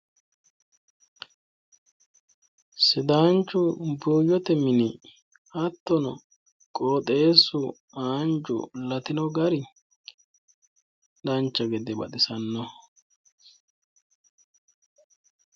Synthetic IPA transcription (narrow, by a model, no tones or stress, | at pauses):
sɪd̪aːnt͡ʃːʊbuːjɔt̪ɛmɪnɪ | ɐt̪ːɔnɔ | kʼoːt̪ʼeːsʊ | aːnd͡ʒʊ̰lɐt̪ɪnɔɡɐɾɪ | d̪ɐnt͡ʃːɐɡɛd̪ɛbɐ̰t̪ɪsɐnːɔ